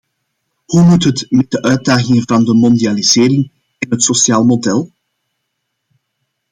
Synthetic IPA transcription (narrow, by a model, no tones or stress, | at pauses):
humutɦətmɛd̚dəʔœɥt̚daːɣɪŋəvɑndəmɔndializ̥ɪːɾɪŋ | ɪnɦətsosjaːlˠmodɛlˠ